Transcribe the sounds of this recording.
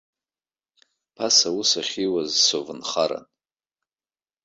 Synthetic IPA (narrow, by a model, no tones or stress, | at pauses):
pʰasawʊsaχʲiwazsovɨnχaɾa̰n